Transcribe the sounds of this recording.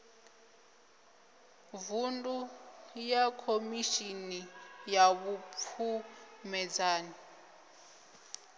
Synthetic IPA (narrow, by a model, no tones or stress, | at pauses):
vundʼujakʰomiʃinijaβupʰumɛd͡zaːni